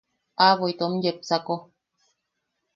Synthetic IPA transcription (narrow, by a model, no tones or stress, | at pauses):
avojt̪om̩jep̚t͡sako